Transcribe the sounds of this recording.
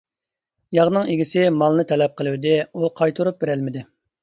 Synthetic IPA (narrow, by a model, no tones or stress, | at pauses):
jɑʁnɨŋeɡʲisɪmɑlˠnɨt̪ʰɛlɛp̚qəlˠɨwd̪ɪuqʰɑjt̪ʰuɾup̚beɾælmɪd̪ɪ